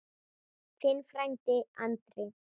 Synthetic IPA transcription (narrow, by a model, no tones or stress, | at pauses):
fɪnːfɾajnt̪ɪa̰nt̪ɾɪ